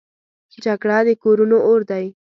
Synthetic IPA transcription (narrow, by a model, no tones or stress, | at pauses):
eʈakɽɑd̪əkoɾunooɾd̪aj